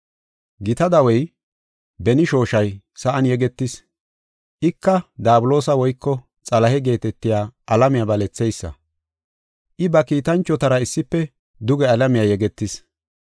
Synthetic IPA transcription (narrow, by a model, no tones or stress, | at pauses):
ɡɪt̪ɐd̪ɐwɛj | bɛnɪʃo̞ːʃɐj | sɐʔɐnjɛɡɛt̪ːɪs | ʔɪkːɐd̪aːbʊlo̞ːsɐwɔjkːɔ | t͡sʼɐlɐhɛɡe̞ːt̪ɛt̪ːɪjaːʔɐlɐmɪjabɐlɛt͡sːɛjsːɐ̰ | ʔɪbɐkiːt̪ɐnt͡ʃːɔt̪ɐɾɐɪsːɪpːɛ | d̪ʊɡɛɐlɐmɪjajɛɡɛt̪ːɪs